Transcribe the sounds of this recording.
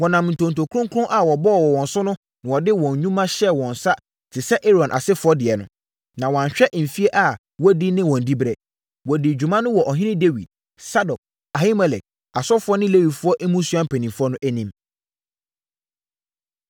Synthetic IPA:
wɔ˨nã˨m˨n̩˨tʰõ˨n̩˨tʰo˨kʰɾʊ̃˦ŋkʰɾʊ̃˦ʔa˨wɔ˨bɔ˦˨wɔ˨wɔ̃˨n˨sʊ˦nʊ̃˦ | nɪ̃˨wɔ˨dɪ˦wɔ̃˨ɲ˨ɲũ˦mã˦ɕɛ˦wɔ̃˨n̩˨sa˦ | tʰɪ˨sɛ˦ʔe˦ɾɔ̃˨nʔa̰˨sɪ˦fʊ˨˦ɔ˦dɪ˨ɛ˨nʊ̰̃˦ | nã˨wɔ̃˨ã˨ɕᶣɛ˦ʔm̩˨fi˦e˦ʔa˨ | wɔ˦di˦nɪ̃˦wɔ̃˨n̩˨di˦bɾɛ˨ | wɔ˨dɪ˨d͡ʑᶣu˨mã˦nʊ̃˦wɔ˨ʔɔ˨ɦɪ̃˦nɪ̃˦de˦wḭ˨d̚ | sa˦dɔ˨k̚ | a˨hi˦mɛ˨lɛ˨k̚ | a˨sɔ˦fʊ˦ɔ˦nɪ̃˦le˦wi˨dfʊ˦ɔ˦ʔɛ˦mũ˦su˦ã˦m̩˦pʰæ˨nĩ˨mfʊ˦ɔ˦nʊ̃˦ʔæ˦nĩ˦m

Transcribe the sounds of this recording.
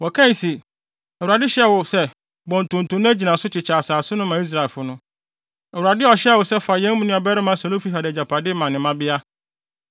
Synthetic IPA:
wɔ˨kʰã˦˨si˨ | ɛ˨wu˨ɾa˨dɪ˦ɕɛ˦˨wʊ˨sɛ˦ | bɔ̃˨n˨tʰʊ̃˨n̩˨tʊ̃˨˦ñ˦æ˦d͡ʑi˨nã˨sʊ˦t͡ɕʰɪ˨t͡ɕʰaː˨saː˨sʊ˦nʊ̃˦mã˨˦i˦s̬ɾa˨ɪ˨lfʊ˨nʊ̃˦ | ɛ˨u˨ɾa˨dɪ˦ɔ˨ɕwʊ˨sɛ˦fa˨jɛ̃˦m˦mʊ̃˦nʊ̃˦˨a˨bɛ˦ɾɪ˦mã˦sa˨lo˦fi˦ɦa˨dd͡ʑa˨pʰa˨dɪ˦mã˨nːɪ̃˨mã˦bɪ˦a˦

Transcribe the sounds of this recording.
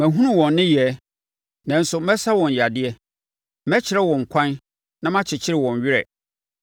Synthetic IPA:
mæ̃˨ɦũ˦ʊ̃˦wɔ̃˨nːɪ̃˦jɛ˨˦ | nã˨n̩˦sʊ˨mɛ̃˦sa˦wɔ̃˨n˨ja˨dɪ˦ɛ˦ | mɛ̃˦t͡ɕʰɪ˨ɾɛ˦wɔ̃˨ŋ̩˨kʷʰã˦n | nã˦mã˦t͡ɕʰɪ˨t͡ɕʰɪ˦ɾɪ˨wɔ̃˨ɲ˨ɥɪ˦ɾɛ̰˨

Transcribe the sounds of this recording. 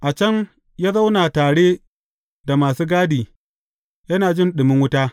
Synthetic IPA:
ʔa˨t͡ʃɐ˦ŋ | jaː˦za˦wnaː˨taː˨ɽeː˦ | da˨maː˨suː˦ɡaː˦diː˨ | jɐ˦naː˨d͡ʒɪ˦nɗɪ˨mɪ˦ŋwʊ˦taː˦

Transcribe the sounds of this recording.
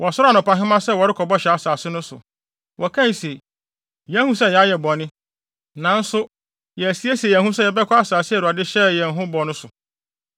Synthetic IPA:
wʔɔ˨sʊ˦ɾa˦˨nʊ̃˨pa˨ɦɪ̃˦mã˦sɛ˦wɔ˨ɾɪ˦kʰɔ˨bɔ˦ɕɛ˨a˨saː˨sɪ˦nʊ̃˦sʊ̰˨ | wʔɔ˨kʰã˦˨n˨se˨ | jɛ̃˦hũ˦sɛ˦jɛ˨a˦jɛ˨bɔ˨nɪ̃˦ | nã˨n̩˦sʊ˦ | jɛ˨æ˨si˦e˦si˨e˨jɛ̃˨hũ˦sɛ˦jɛ˨bɛ˦kʰɔ˦a˦saː˨sɪ˦æ˨ɾu˨a˨dɪ˦ɕɛ˦jɛ̃˨n˨ɦʊ̃˦bɔ˨nʊ̃˦sʊ˨

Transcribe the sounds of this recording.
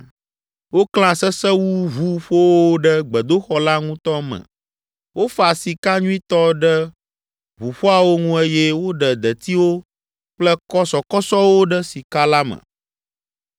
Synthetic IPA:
wo˦kl̃ã˦sɛ˦sɛ˦wu˦vu˨˦ɸo˦woo˦ɖə˦ɡ͡bɛ˨d̪o˦xɔ˦la˦ŋũ˦t̪ɔ˦mɛ̰̃˨ | wʔo˦fa˨si˨ka˦ɲũ˦ĩ˦t̪ɔ˦ɖɛ˦ | vu˨ɸo˦a˨wo˦ŋũ˦e˦jɛ˦wo˦ɖɛ˨d̪ɛ˨t̪i˦wo˦ | k͡plɛ˦kɔ˦sɔ˨kɔ˦sɔ˦wo˦ɖə˦si˨ka˦la˦mə̰̃˨

